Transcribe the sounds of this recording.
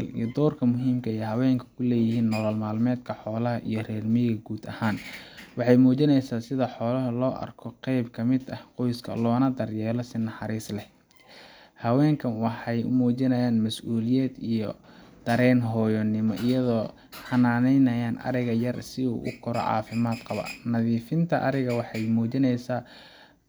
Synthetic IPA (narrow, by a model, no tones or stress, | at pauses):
lḭjɔd̪ɔːrkʰɐmʊɦiːmkʰɐɛjɦɐwɛːŋkʰɐ̥kʰʊlɛːjɪhiːnːɔlɔlmaːlmɛːd̪kʰɐħɔːlɐɦɐʔijɞrɛːrmɪɣɐɡuːd̪ɐhaːnwɑħɑjmuːt͡ʃɪnɛjsaːnsɪðɐħɔːlɐɦɐlɔːʔɐ̰rkʰɔqɛjbkʰɐmɪd̪ɐhqɔjskʰɐ̰lɔːnɐd̪ɐrjɛːlɔsɪnɑħɑɾiːslɛ | hɐwɛːŋkʰɐnwɑħɑjʊ̰muːt͡ʃɪnɐjaːnmɐsʔuːlɪjɛːd̪ijɔd̪̥ɐɾɛːnɦɔːjɔnɪmɔʔɪjɐðɔː | ħɑnaːnɛjnɐjaːnʔɐ̰ɾɪɣɐjɐrsɪṵːʔʊ̰kʰʊɾɔ̰ʕɑ̰ːfɪmaːd̪qɑβɐ̰nɐðiːfɪnt̪ʰɐʔɐɾɪɣɐwɑħɑjmuːt͡ʃɪnɛjsaː